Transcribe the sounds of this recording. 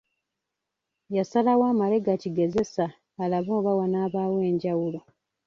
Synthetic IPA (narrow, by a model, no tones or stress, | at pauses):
jasalawaːmale̞ɡaciɡe̞ze̞saː | laβoːβawanaːβaːwe̞ːɲɟawulo